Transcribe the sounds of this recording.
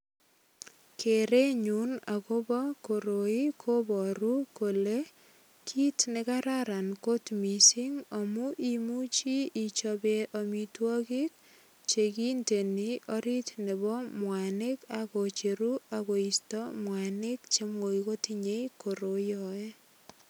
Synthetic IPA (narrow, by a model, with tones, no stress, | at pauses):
kʰe˨ɾe˦ɲu˦na˨ko˦bɔ˦ko˨ɾo˨i˦kʰo˦bɔ˨ɾu˦ko˨le˦ | kʰi˦tne˦kaɾaɾa˨nko˦tmi˨si˦ŋɔ˨mu˦ʔi˦mu˦t͡ʃiː˦˨t͡ʃɔbe˦ʔomi˦twɔ˦ki˦k̚ | t͡ʃe˨ki˦nte˨ni˦ʔɔɾi˦tne˨bɔ˦mwa˨ne˦kakot͡ʃeɾu˦ako˨i˨stɔ˦mwa˨ne˦kt͡ʃe˦mo˨iko˦tiɲe˦iko˨ɾo˨jɔ˨e˦